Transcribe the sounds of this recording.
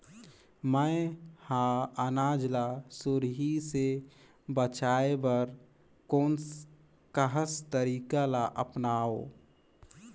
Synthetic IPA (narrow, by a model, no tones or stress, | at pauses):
mə̃hãənaːd͡ʒlasʊɾɦise | bət͡ʃaːebəɾ | koːn | kəɦəst̪əɾiːkalaʔəpnaːo̰ː